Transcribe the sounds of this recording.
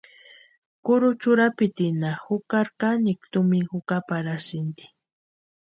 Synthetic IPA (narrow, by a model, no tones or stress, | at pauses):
kʊɾʊt͡ʃʊɾapɪt̪ɪnahʊkaɾkanɪkt̪ʊmɪŋxʊkapaɾasɪnt̪i̥